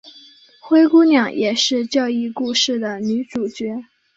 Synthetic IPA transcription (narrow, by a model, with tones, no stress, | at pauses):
xwe˥ɪku˥njɑ˨˥˦ŋjʔɛ˨˩ʂɻ̩˥˧t͡ɕjɑ˥˧ʊi˥˧ku˥˧ʂɻ̩˥˩d̪ə˩ny˧˥ʈ͡ʂu˨˩t͡ɕɥɛ˧˥